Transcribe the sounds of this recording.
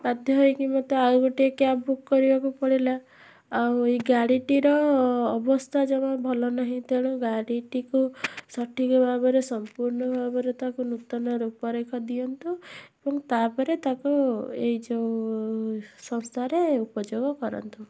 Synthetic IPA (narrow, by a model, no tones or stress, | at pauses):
bad̪ʱjɔɦojkimot̪eaɡoʈiekjabukːɔɾibakupɔɽilaː | wiɡaɽiʈiɾɔːbɔst̪ʰad͡ʒɔmɔbʱɔlɔnaɦĩt̪ʰeɽ̃ũɡaɽiʈikusɔʈʰikɔbʱabɔɾesɔmpuɾɳɔbʱabɔɾet̪akunut̪ɔnɔɾupɔɾekʰɔd̪iɔnt̪uebɔŋt̪apɔɾet̪akueid͡ʒe | sɔnst̪ʰaɾeupɔd͡ʒoɡɔkɔɾɔ̰nt̪u